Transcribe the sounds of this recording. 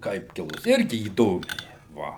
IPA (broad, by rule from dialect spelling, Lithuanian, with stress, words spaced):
ˈkɐɪp ˈkʲɪlˠʊs ˈɪrʲɡʲɪ iːˈdoːmʲɛɪ ˈʋɐ